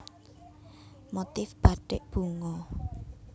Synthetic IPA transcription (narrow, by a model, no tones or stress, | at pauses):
mot̪ɪfb̥a̤ɖɪʔb̥ṳŋɔ